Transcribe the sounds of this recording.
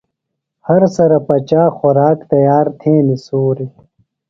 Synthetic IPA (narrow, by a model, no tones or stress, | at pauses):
hɐɾsɐɾɐpɐt͡ɕaːxoɾaːkt̪ɐjaːɾt̪ʰeːnisoːɾi